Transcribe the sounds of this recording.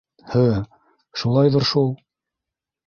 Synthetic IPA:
hɘ | ʃulˠɑjðɤ̆ɾʃulˠ

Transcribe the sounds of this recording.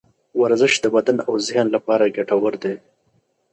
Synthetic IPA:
waɾzɪʃd̪əbad̪anawzɪjɑnlapɑɾaɡaʈawəɾd̪e

